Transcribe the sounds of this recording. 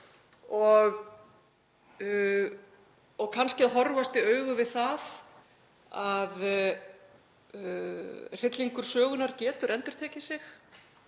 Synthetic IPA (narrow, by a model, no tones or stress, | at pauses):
ɔɣ | ɔɣkʰanscɪaðɦɔrvast̪ɪœɥɣʏvɪðθað | að | r̥ɪt̪liŋkʏɾ̥sœːɣʏnaɾcɛːt̪ʏɾʔɛnt̪ʏɾ̥t̪ʰɛːcɪsɪx